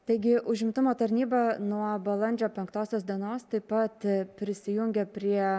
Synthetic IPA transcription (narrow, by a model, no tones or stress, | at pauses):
t̪ɐɪɡʲɪʔʊʒʲɪmt̪ʊmoːt̪ɐɾʲnʲiːbɐnuɔbɐlˠɐnʲd͡ʒʲoːpʲɛŋkt̪oːsʲoːsd̪ʲiɛnoːst̪ɐɪpɐt̪pʲɾʲɪsʲɪjʊŋʲɡʲɛpʲɾʲiɛ